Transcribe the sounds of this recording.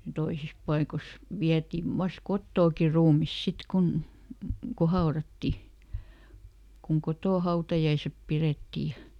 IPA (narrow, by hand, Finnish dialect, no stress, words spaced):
toisis pɑikos ʋiætiʋ ʋɑs kotːoːki ruːmis sit kun ko hɑorɑtːi kuŋ kotoˑ hɑutɑjɑisep piretːiː jɑ